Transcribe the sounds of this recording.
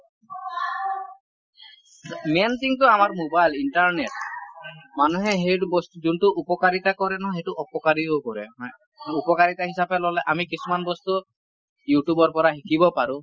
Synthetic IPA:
ment̪ʰiŋtʊamaɹmobajlintaɹneʈ̚ | manuɦɛɦejbɔst̪uzuntʊʔupɔkaɹitakɔɾɛnɔɦejtʊʔɔpɔkaɹiokɔɹɛ̰ɦ | upɔkaɹitaɦisapɛlɔlɛʔamikisumanbɔst̪u | juʈjubɔɹpɔɹaxikibɔpaɹʊ̃

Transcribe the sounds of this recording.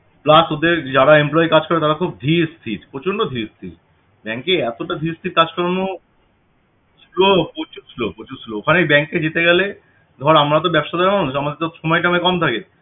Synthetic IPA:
plasod̪eɾd͡ʑaɾaemplɔjekad͡ʑkɔɾet̪aɾakʰub̚d̪ʱiɾst̪ʰiɾpɾot͡ɕʰonɳɖod̪ʱiɾst̪ʰḭɾ | bɛŋkeɛt̪oʈad̪ʱiɾst̪ʰiɾkad͡ʑkɔɾano | ilopot͡ɕuslopot͡ɕuslookʰanebɛŋkːed͡ʑet̪eɡɛle | d̪ʱɔɾamɾat̪̬obɛbʃad̪aɾmanuʃamad̪eɾt̪ʃɔmɔjʈamekɔmt̪ʰake

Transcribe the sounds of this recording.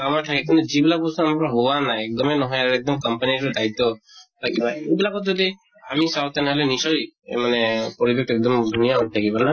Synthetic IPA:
amaʈʰakikint̪ud͡ʒibilapusɔamakɾɔɦowanaɛk̚d̪ɔmenɔɦɔjaɾɛk̚d̪ɔmkɔmpaniɾɔd̪ait̪ːɔt̪ʰakibnaejbilakɔt̪d͡ʒɔd̪i | amisawt̪anɛɦɔlenisɔjḛmanepɔɾibek̚ʈɔɛk̚d̪ɔmd̪ʱunijaɔttʰakibana

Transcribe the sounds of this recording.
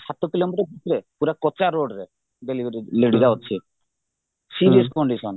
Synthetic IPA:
sat̪okilomiʈɔbʱit̪ɾepuɾakɔt͡ʃaɾoɖɾe | beliileɽid̪aɦotːt͡ʃʰi | siɾieskɔɳɖisɔn

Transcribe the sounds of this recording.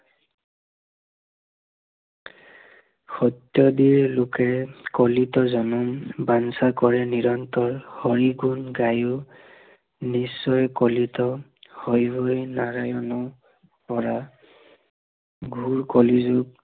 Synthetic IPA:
xɔt̪jɔdiɹlokɛkɔlitɔzɔnɔmbansakɔɹɛniɹɔntɔɹhɔɹiɡunɡaju | nisːɔjkɔlitɔhojbojnaɹajɔnɔ | pɔɹa | ɡʱuɹkɔlizuk

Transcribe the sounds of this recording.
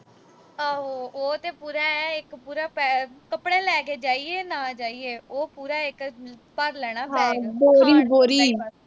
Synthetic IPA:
aːɦoːoːt̪eːpuːɾaːɛɪkpuːɾaːpɛkəpɽeːlɛːk̬eːd͡ʒaːieːnãːd͡ʒaːieːoːpuːɾaːɪk | pəɾlɛːɽ̃aːɦɛ̃ːboːɾiːboːɾiː

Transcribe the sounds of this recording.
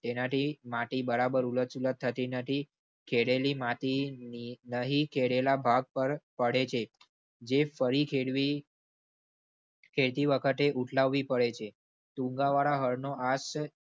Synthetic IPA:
t̪enat̪ʰimat̪ibəɾabəɾulət͡ʃulət̪ʰːət̪inəʈ̪ʰi | kʰeɽelimat̪ininəɦikʰeɽelabʱaɡ̚pəɾpəɽet͡ʃʰe | d͡ʒefəɾikʰeɽʋi | kʰeɭt̪iʋəkʰət̪eʔuʈʰlaʋːipəɭet͡ʃʰe | t̪ũŋɡaʋaɭaɦəɾnoʔas

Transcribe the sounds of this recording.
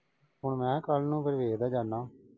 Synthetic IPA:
ɦʊɳmɛ̃ːkəlnũːpʰɪɾʋeːd̪aːd͡ʒaːnːãː

